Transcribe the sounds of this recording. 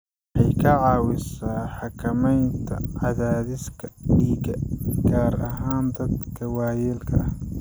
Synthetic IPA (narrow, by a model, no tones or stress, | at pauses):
ħɑjkʰɐʕɑːwɪsaːħɑkʰɐmɛjnt̪ʰɐ̰ʕɑðaːðɪskʰɐɖiːɣɐɡaːɾɐɦaːnd̪ɐd̪kʰɐwɑːjɛːlkʰɐɐh